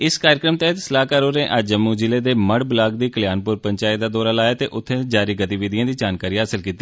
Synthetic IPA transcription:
ɪskaːɾjɪkɾəmt̪ɛɦət̪səlaːkaːɾoːɾẽːʔad͡ʒəmːuːd͡ʒɪleːd̪eːməɽblaːɡd̪iːkəljaːnpʊɾpəɲt͡ʃaːɪd̪aːd̪ɔːɾaːlaːjaːt̪eːʔʊt̪ʰːẽːd͡ʒaːɾiːɡət̪iːʋiːd̪ɪjãːd̪iːd͡ʒaːnkaːɾiːɦaːsəlkiːt̪ːiː

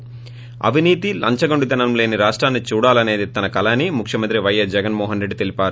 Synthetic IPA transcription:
ɐ̰ʋiniːt̪ilɐ̰ɲt͡ʃɐɡoɳɖud̪ɐnɐmle̞ːniɾaːʂʈɾaːnːit͡ʃuːɽaːlɐne̞ːd̪it̪ɐnɐkɐlaːnːimukʰjɐmɐnt̪ɾiʋɐjːɐsd͡ʒɛɡɐnmɔːɦɐnɾeɖːit̪e̞lipaːɾu

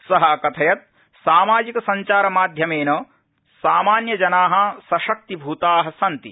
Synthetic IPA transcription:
sɐɦɐkɐt̪ʰɐjɐt̪̚ | saːmaːd͡ʒikɐsɐɲt͡ʃaːɾɐmaːd̪ʱjɐmeːnɐ | saːmaːnjɐd͡ʒɐnaːɦɐ̆sɐʃɐk̚t̪ibʱuːt̪aːɦɐ̆sɐnt̪i

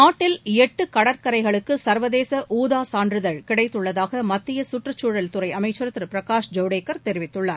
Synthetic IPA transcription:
naːʈːɪlɛʈːɯkɐɽɐɾkɐɾɐɪɣɐɭɯkːɯsɐɾʋɐðeːsɐʔuːðaːsaːɳdrɾɯðɐɻkɪɽɐɪt̪ːɯɭːɐðaːɣɐmɐt̪ːɪjɐsʊʈrɯt͡ʃːuːɻɐlt̪ʊɾɐɪɐmɐɪt͡ʃːɯɾɐt̪ːɪɾɯpɪɾɐkaːʂd͡ʒɐʊɽeːkːɐɾt̪ɛɾɪʋɪt̪ːɯɭːaːɾ

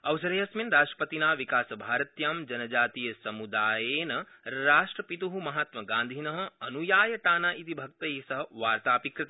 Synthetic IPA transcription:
ɐwsɐɾɐjɐsminɾaːʂʈɾɐ̥pɐt̪inaːʋikaːsɐbʱaːɾɐt̪jaːmd͡ʒɐnɐd͡ʒaːt̪ijɐsɐmud̪aːjeːnɐ | ɾaːʂʈɾɐpit̪uɦumɐɦaːt̪mɐɡãːnd̪ʱinɐɦɐ̆ɐnujaːjɐʈaːnaːʔit̪ibʱɐk̚t̪ɐesɐɦɐʋaːɾt̪aːpikɾɪt̪ɐ

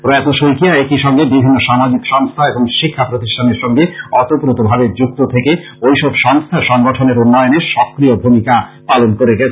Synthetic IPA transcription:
pɾɔat̪oʃojkijaekiʃɔŋɡebibʱinːoʃamad͡ʑikʃɔŋst̪ʰaeboŋʃikʰːapɾot̪iʃʈʰaneɾʃɔŋɡeɔt̪opɾot̪obʱabed͡ʑuk̚t̪ot̪ʰeke | ojʃɔbʃɔŋst̪ʰaɾʃɔŋɡoʈʰoneɾunːɔjoneɾʃɔkɾiobʱumikapalonkoɾeɡɛt͡ɕʰ

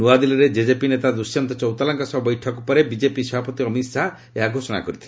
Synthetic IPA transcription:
nuad̪ilɔɾed͡ʒed͡ʒepinet̪ad̪usjɔnt̪ɔt͡ʃɔwt̪alaŋkasɔbɔbɔjʈʰɔkupɔɾebid͡ʒepisɔbʱapɔt̪iɔmisa | eɦaɡʱosɔna̰kɔɾit̪ʰile

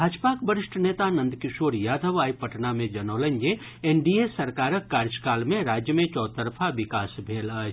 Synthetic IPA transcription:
bʱaːd͡ʒpakbəɾɪʂʈʰəneːt̪anə̃nd̪kɪʃoːɾjaːd̪ʱəʋaːipɐʈnamẽd͡ʒɐnoːlənd͡ʒe | eɳɖiesɐɾkaːɾəkːaːɾd͡ʒkaːlmẽɾaːd͡ʒjəmẽt͡ʃɔːt̪əɾpʰaʋɪkaːsbʱeːlaː

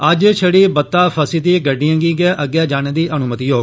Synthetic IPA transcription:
əd͡ʒt͡ʃʰəɽiːbət̪ːaːpʰəsiːt̪iːɡəɖijãːɡiːɡɛːʔəɡɛːd͡ʒaːñẽːd̪iːʔənʊmət̪iːɦoː

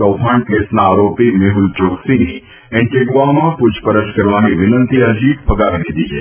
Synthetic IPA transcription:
ɐʊpʰãːɳkeːsnaːɾoːpimeɦʊlt͡ʃoːksinĩ | ɛ̃ɳʈeɡʋamãpud͡ʒpəɾəʃkɐɾʋaːɦiʋɪnə̃nt̪iɐd͡ʒiːt̪̚pʰɐɡaːʋenid̪iːd͡ʒḛː

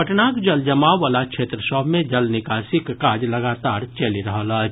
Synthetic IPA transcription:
pəʈnaːkd͡ʒəld͡ʒəmaːalakʃʰeːt̪ɾəsɔbʱmẽd͡ʒəlnɪkaːsikːad͡ʒləɡat̪aːɾt͡ʃəliɾəɦələt͡ʃ

